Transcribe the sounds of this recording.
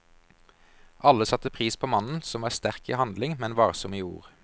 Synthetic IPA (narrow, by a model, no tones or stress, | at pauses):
ʔɑləsɑt̪əpʰʁiːspʰoːmɑnn̩sɔmʋɑːʁst̪æʁkḭːhɑnd̪lɪŋmɛnʋɑːʁsɔmiṵːʁ